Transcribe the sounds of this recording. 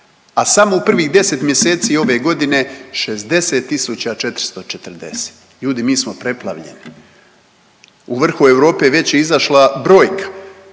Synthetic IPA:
asamoupr̩ʋiɣd̪e̞se̞t̪mje̞seːt̪sio̞ʋe̞ɡo̞d̪ine̞ʃezd̪e̞se̞t̪ːisut͡ɕat͡ʃe̞t̪ɾi̥st̪o̞t͡ʃet̪r̩d̪e̞̰se̥t̪ | ʎuːd̪imiːsmo̞pɾe̞plˠa̰ʋʎḛni | uʋr̩xueʋɾo̞ːpe̞ʋe̞t͡ɕjeizaʃlabɾo̞ːjkḁ

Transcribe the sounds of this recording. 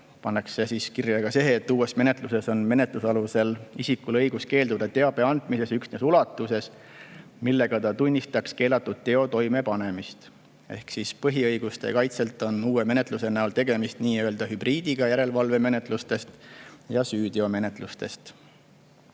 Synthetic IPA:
pɑnːeksesiskirjɑɡ̥ɑse̞ɦeːt̪ːuːe̞sme̞net̪luse̞so̞nme̞ne̞t̪lusɑluse̞lisikulɤjɡ̥uske̞ːld̪ud̪ɑt̪e̞ɑb̥e̞ɑnd̪̥mise̞syksne̞sulɑt̪ːˑuse̞s | milːe̞ɡ̥ɑt̪ɑt̪unʲːist̪ɑkske̞ːlɑt̪ːˑud̪̥̚t̪e̞o̞t̪o̞jme̞pɑne̞mist̪ | e̞̰hksispɤɦiɤjɡ̥ust̪e̞̰kɑjt̪se̞lt̪ˑo̞nuːweme̞net̪ˑluse̞næult̪e̞ɡ̥e̞mist̪niːøːld̪̥ɑɦyb̥riːd̪iɡ̥ɑjæɾe̞lvɑlve̞me̞ne̞t̪ˑlust̪e̞st̪jɑsyːd̪̥io̞me̞ne̞t̪ˑlust̪e̞st̪

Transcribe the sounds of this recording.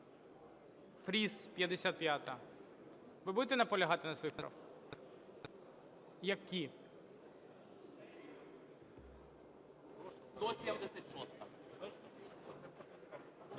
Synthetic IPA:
fɾʲispʲjɐd̪esʲat̪̚pʲjat̪ɐ | ʋɪbud̪et̪ɛnɐpɔlʲɐɦɑt̪ɪnɐsʋɔjip | jɐkʲi | t̪ɔsʲjɐwd̪ɛsʲɐtʲʃɔst̪ɐ

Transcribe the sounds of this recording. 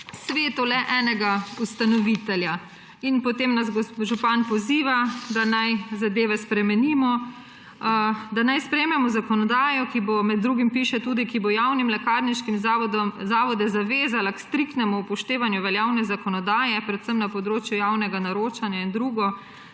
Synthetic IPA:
sʋeːt̪ulɛʔɛːnɛɡaust̪anɔʋit̪ɛlja | inpɔt̪emnazɡoʒupanpɔziːʋad̪anajzad̪eːʋɛspɾɛmɛniːmɔ | d̪anajspɾɛmɛmɔzakɔnɔd̪aːjɔkibomɛd̪̚ːɾuːɡimpiːʃɛt̪uːd̪ikibojawnimlɛkaːɾniʃkimzaːʋɔd̪ɛzaʋeːzalakst̪ɾikt̪nɛmuːpɔʃt̪eːʋanjuʋɛljaːwnɛzakɔnɔd̪aːjɛpɾɛt̪səmnapɔd̪ɾoːt͡ʃjujaːwnɛɡanaɾoːt͡ʃanjaind̪ɾuːɡɔ

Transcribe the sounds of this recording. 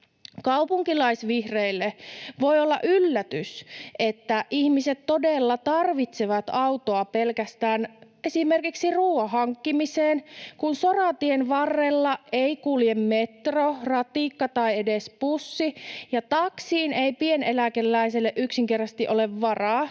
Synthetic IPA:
kɑupuŋkilɑisʋihreilːeʋojolːɑ̰ʔylːæt̪ysʔet̪ːæʔihmiset̪todelːɑt̪ɑrʋit̪seʋɑt̪ɑwt̪oɑpelkæst̪æːn | esimerkiksiruːɑɦɑŋkːimiseːnkunsorɑt̪ienʋɑrːelːɑeikuljemmet̪rorɑt̪ikːɑt̪ɑiedespusːijɑt̪ɑksiːneipienelækelːæiselːeʔyksiŋkert̪ɑst̪iʔoleʋːɑrɑː

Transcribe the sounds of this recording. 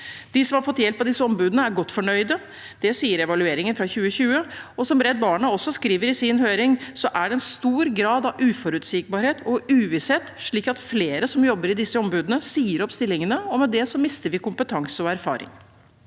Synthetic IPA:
d̪̥isɔmhɑɾfɔt̪ːjɛlpːɑd̪ɪsːəɔmbʉːd̪ənəæɾɡɔt̪ːfɔɳœʏd̪ə | d̪̥ɛsiːəɾɛʋɑlʉeːɾɪŋənfɾɑçʉːəɕʉːəɔsɔmɾɛd̪̚bɑːɳəɔsːɔskɾiːʋəɾɪsɪnhøːɾɪŋsɔʔæɖɛɛnst̪uːɾɡɾɑːd̪ɑʋʉːfɔɾʉːt̪sɪk̚bɑːɾheːt̪ɔʉːʋɪshɛːt̪ːʂɭiːkɑt̪fleːɾəsɔmjɔbːəɾɪd̪ɪsːəɔmbʉːd̪ənəsiːəɾɔpst̪ɪlːɪŋənəɔmːɛd̪ɛsɔmɪst̪əɾʋɪkʊmpət̪ʰɑŋsəɔæɾfɑ̰ːɾɪ̰ŋ

